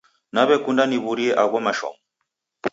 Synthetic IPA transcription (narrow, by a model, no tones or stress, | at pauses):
naβɛkundaniβuɾiɛʔaɣwamaʃɔ̰mɔ